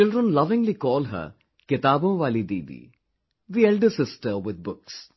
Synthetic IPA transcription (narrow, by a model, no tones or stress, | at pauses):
t͡ʃɪlɖɾə̃nlɐʋɪ̃ŋɡlikɔːlɦə̰ɾ | kɪt̪aːbə̃ːʋaːlid̪iːd̪ḭ | d̪iɛlɖəɾsɪsʈəɾʋɪd̪̚bʊks